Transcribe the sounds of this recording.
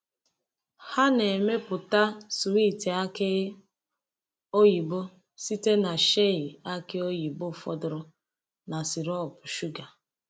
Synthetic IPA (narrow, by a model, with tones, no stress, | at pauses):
ha˦ne˨me˦pʊ˨ta˦su˨wi˦˨ti˨a˦kɪ˦ | o˦ji˨bo˦ | si˦te˦na˨ʃe˦i˨a˦kɪ˦o˦ji˨bo˦˨fɔ˦dʊ˨ɾʊ˦ | na˨si˨ɾɔ˦˨pʊ˨ʃu˦ɡa˨